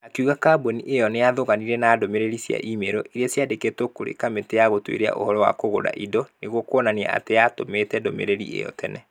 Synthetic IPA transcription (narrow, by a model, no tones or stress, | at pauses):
akeuɣakaːboniʔejɔneaðoɣaniɾɛnaːdomeɾeɾisja̰ʔimeɾɔʔiɾeasjadeketokoɾḛkameteaɣotwḛɾea̰ʔo̰hɔɾɔwa̰koɣoɾa̰ʔidɔneɣwɔkoɔnania̰a̰tejatomeːtɛdomḛɾeɾḭʔḛjɔ̰tɛnɛ